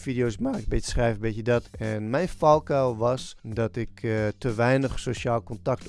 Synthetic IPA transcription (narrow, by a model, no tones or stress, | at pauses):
fidioːsmaːɪbɪtəsxrɛjvəbɪtjədɔtɛnmɛjnfɔlˠkaʋɔsdɔtɪktəʋɛjnəxsoʃaːlˠkontakt